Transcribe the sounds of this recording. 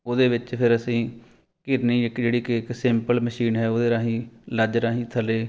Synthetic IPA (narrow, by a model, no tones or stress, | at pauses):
oːd̪eːʋɪt͡ʃpʰɪɾəsĩː | kɪɾniːɪkːd͡ʒeːɽiːkɪɪksɪmpəlməʃiːnɦɛːoːd̪eːɾaːɦĩːləd͡ʒɾaːɦĩːt̪ʰəleː